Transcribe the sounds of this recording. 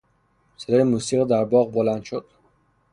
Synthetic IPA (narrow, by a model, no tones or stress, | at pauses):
sed̪ɒːjemuːsiʁid̪æɾbɒʁbolænd̪ʃod̪̥